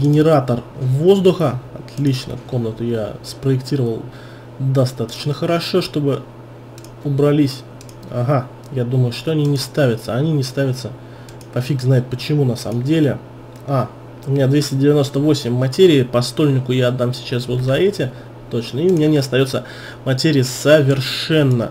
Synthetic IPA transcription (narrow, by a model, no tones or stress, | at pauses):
ɡʲɪnʲɪɾat̪ərvo̞zd̪ʊxəɐt̪lʲit͡ɕnə̰ko̞mnət̪ʊjaspɾəɪktʲiɾəvəlˠ | d̪ɐst̪at̪ə̥t͡ɕnəxəɾɐʂo̞ʂt̪o̞bɨ | ʊbɾɐlʲisʲ | ɐ̰ɦa | jad̪uməjʊʂt̪o̞ɐnʲinʲɪst̪avʲɪt̪səɐnʲinʲɪst̪avʲɪt̪sə | pɐfʲiɡznajɪt̪̚pət͡ɕɪmunɐsa̰məmdʲelʲɪ | a | ʊmʲɪnʲad̪vʲesʲtʲɪdʲɪvʲɪno̞st̪əvo̞sʲɪmʲːɐtʲeɾʲɪɪpɐst̪o̞lʲnʲɪkʊjad̪ːamsʲɪ̥t͡ɕasvo̞t̪zɐɛtʲɪ | t̪o̞t͡ɕnəɪʊmʲɪnʲanʲɪɐst̪ɐjo̞t̪sə | mɐtʲeɾʲɪjəsəvʲɪrʂɛnːə